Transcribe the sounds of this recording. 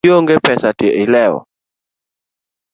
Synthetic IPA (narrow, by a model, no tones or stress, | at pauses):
joŋɡɛpɛsateʔɪlɛɔ̰